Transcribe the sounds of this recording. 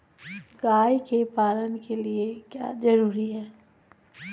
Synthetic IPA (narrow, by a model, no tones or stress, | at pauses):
ɡaːjkepaːlənkʰeliekja̰ːd͡ʒɐɾuːɾiɦɛː